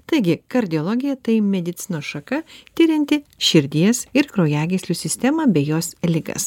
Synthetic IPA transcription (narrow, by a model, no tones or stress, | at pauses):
t̪ɐɪɡʲɪkɐɾʲd̪ʲɪɔlˠɔɡʲɪjɛt̪ɐɪmʲɛd̪ʲɪt̪sʲɪnoːʃɐkɐt̪ʲɪɾʲɪnʲt̪ʲɪʃʲɪɾʲd̪ʲiɛsɪɾkɾoːjæːɡʲesʲlʲuːsʲɪsʲt̪ʲɛmɐːbʲeːjoːslʲɪɡɐ̰s